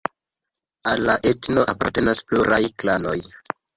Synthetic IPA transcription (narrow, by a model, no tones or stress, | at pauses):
alːaʔetno̞ʔapaɾte̞naspluɾʔajklano̞j